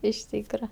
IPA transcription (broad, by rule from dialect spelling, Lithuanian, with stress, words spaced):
ɪʃ ˈtʲiːkrɐ